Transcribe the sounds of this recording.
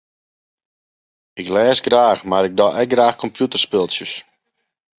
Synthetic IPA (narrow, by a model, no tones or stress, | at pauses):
ɪklɛːsɡraːxmaɾɪk̚dɔʔɛk̚ɡraːxkʰɔmpʰjutərspɪlˠsjəs